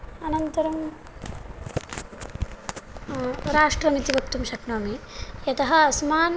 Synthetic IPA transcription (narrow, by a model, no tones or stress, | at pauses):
ɐnɐnt̪ɐɾɐm | ɾaːʂʈɾɐmit̪iʋɐk̚t̪umʃɐkɳaːmijɐt̪ɐɦɐɐsmaːn